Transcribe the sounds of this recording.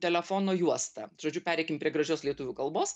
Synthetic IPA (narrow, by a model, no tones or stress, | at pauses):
t̪ʲɛlʲɛfoːnoːjuɔst̪ɐ̰ʒ̥oːd͡ʒʲʊpʲæːɾʲɛɪkʲɪmpɾʲiɛɡɾɐʒʲoːslʲiɛt̪ʊʋʲuːkɐlˠboːs